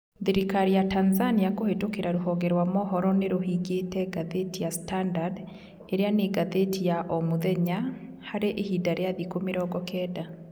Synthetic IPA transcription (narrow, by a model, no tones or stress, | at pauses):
ðeɾikaɾijatanzaniakohetokeɾaɾoɦɔɡɛɾwamɔɦɔɾɔneɾohiɡetɛɡaðetijastandad | eɾeaneɡaðetijaʔomoðɛɲa | haɾeʔehidaɾeaðikomeɾɔɡɔkɛda